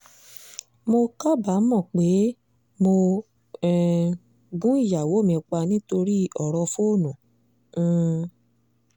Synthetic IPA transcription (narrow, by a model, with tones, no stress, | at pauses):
mo˧ka˦ba˨˦mɔ̃˦˨k͡pe˨˦ | mo˧ | ɛ˨ | ɡũ˦i˦˨ja˨wo˨˦mĩ˧k͡pa˧nĩ˦to˧ɾi˦ɔ˨ɾɔ˧fo˦˨nũ˨˦˨